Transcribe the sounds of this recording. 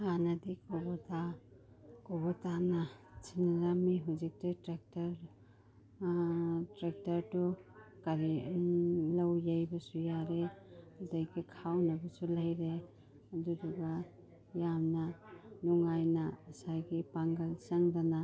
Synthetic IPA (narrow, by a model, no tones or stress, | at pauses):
hanɐdikobota | kobɔtanɐt͡ʃʰinaɾamiɦuzik̚titɾek̚tɐɾ | tɾek̚tɐɾtukaɾi | lɐwjajbɐsujaɾeɐdɐjɡikʰawnɐbɐsulɐjɾe | ɐduduɡa | jamnɐnuŋajnɐsajɡipaŋɡɐlsɐŋdana